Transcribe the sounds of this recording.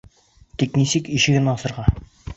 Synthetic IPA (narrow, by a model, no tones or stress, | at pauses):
t̪iknisɘkiʃɘ̆ɡɘnɑsɤ̆ɾʁɑ